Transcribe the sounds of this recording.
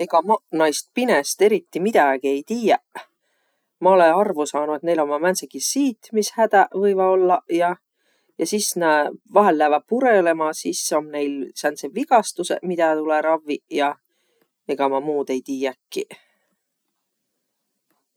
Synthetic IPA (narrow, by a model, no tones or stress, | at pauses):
e̞ɡ̥ɑmɑnɑjst̪̚pine̞st̪e̞ɾit̪ːimid̪̥æɡ̥ie̞jt̪iːjæ | mɑo̞le̞nɑrvusɑːnuet̪nejlo̞mːɑmænsekisiːt̪mishæd̪̥ævɤjvɑo̞lːɑjɑ | jɑsisnevɑɦelːæːvɑt̚puɾe̞le̞mɑsisːo̞mne̞jlsænseviɡ̥ɑst̪usḛmid̪̥æt̪uleɾɑvːijɑ | e̞ɡ̥ɑmɑmuːd̪̥e̞jt̪iːjækːi